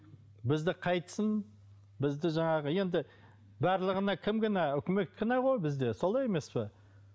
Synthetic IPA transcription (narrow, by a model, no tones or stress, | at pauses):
bɪzd̪ɪqʰɑjt̪ə̥sən | bɪzd̪ɪʒɑɴɑʁəje̞nd̪ɪ | bæɾlˠəʁənɑkʲʰɪmɡʲɪnɑʏkʲɪme̞k̪kʲɪnɑʁo̞jbɪzd̪e̞so̞lˠɑje̞me̞spɪ